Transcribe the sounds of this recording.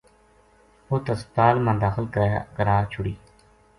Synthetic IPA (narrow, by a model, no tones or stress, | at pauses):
oːt̪əst̪aːlmãːd̪aːxɪlkəkəɾaːt͡ʃʰʊɽiː